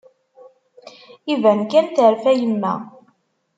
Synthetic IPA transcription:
ivænkːænθəɾfæjəmːæ

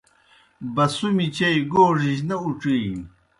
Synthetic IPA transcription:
bɐsumit͡ɕɐjɡoːʐiʑnɐuʈ͡ʂij

